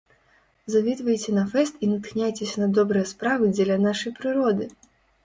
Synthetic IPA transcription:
zavʲit̪vɐjt͡sʲɛnɐfɛst̪inɐt̪xnʲajt͡sʲesʲɐnɐd̪ɔbɾɨjɐspɾavɨd͡zʲɛlʲɐnaʂɐjpɾɨɾɔd̪ɨ

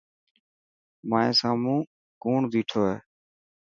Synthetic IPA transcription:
maːẽːsaːmũː | kuːɳd̪iːʈʰoːɦeː

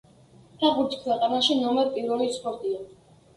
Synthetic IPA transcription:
t̪ʰaʁuɾd͡ʒi̥kʰwɛqʼanaʃinɔmɛɾpʼiɾvɛlispʼɔɾt̪ʼia

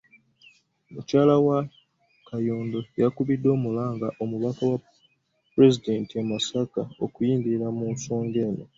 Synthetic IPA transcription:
mucaːlawa | kʰajoːndo̞jakuβidːo̞ːmulaːŋɡaʔo̞muβakawa | pɾe̞zide̞ntiemasakaokujiːndiɾamuːnso̞ːŋɡe̞ːno̞

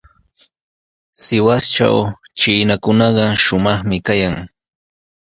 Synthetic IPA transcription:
sɪwast͡ʃa̰w | t͡ʃiːnakʊnɑɢɑʃʊmɑχmɪkajaŋ

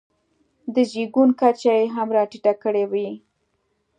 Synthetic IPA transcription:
d̪əd͡ʒiɡunkat͡ʃajeɦamɾɑʈiʈakəɽewi

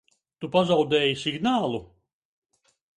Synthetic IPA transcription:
t̪upazawd̪ɛːjisʲiɡnaːlˠu

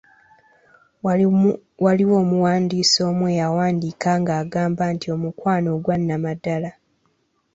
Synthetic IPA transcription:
waliwo̞ːmuwaːndiːso̞ːmweːjawaːndikaŋɡaːɡaːmbantio̞mukwaːno̞ːɡwanːamadala

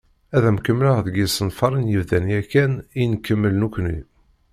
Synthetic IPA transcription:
æðæmkəmːləʁðəɡisənfɑɾˤənjəvðænijækːæninkːəmːəlnukʷnḭ

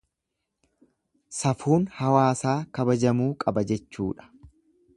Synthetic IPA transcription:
sɐfuːnhɐwaːsaːkɐbɐd͡ʒɐmuːkʼɐbɐd͡ʒɛt͡ʃːṵːᶑɐ̥

